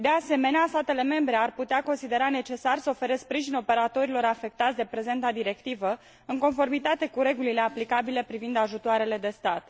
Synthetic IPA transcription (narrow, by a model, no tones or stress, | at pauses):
d̪e̞ase̞me̞neast̪at̪e̞le̞me̞mbɾe̞arput̪eako̞nsid̪e̞ɾane̞t͡ʃe̞sarsəo̞fe̞ɾe̞spɾiʒino̞pe̞ɾat̪o̞ɾilo̞ɾafe̞k̚t̪at̪sʲd̪e̞pɾe̞ze̞nt̪ad̪iɾe̞kt̪ivə | ɨŋko̞nfo̞rmit̪at̪e̞kuɾe̞ɡulile̞aplikabile̞pɾivind̪aʒut̪oaɾe̞le̞d̪e̞st̪at̪